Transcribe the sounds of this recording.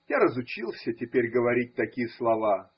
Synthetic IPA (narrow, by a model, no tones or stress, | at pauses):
jaɾəzʊt͡ɕilˠsʲətʲɪpʲeɾʲɡəvɐɾʲit̚ʲt̪ɐkʲijəslˠɐva